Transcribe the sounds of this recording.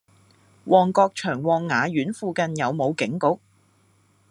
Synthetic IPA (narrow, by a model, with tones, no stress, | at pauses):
wʔɔː˨ŋkɔː˧k̚t͡ʃʰœː˨˩ŋwɔː˨˩ŋːaː˨˧jyː˨˥nfuː˧kɐ˧njɐ˨˧wmo˨˧wkɪ˨˥ŋkʊ˨˥k̚